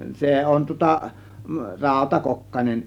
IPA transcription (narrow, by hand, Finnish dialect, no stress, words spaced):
se on tŭŏtɑ rɑˑo̝tɑkokːɑnen